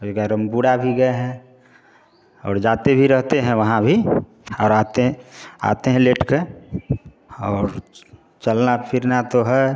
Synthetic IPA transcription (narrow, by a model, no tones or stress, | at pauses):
ʊɡaɾə̃mbuɽabʱiɡəeɦɛ̃ | ɔ̰ːɾd͡ʒaːt̪ebʱiɾəɦt̪eɦɛ̃ʋəɦãbʱi | ɔːɾaːt̪eɦa̰ːt̪eɦɛ̃leːʈke | ɔːɾ | t͡ʃəlnapʰɪɾnat̪oɦɛ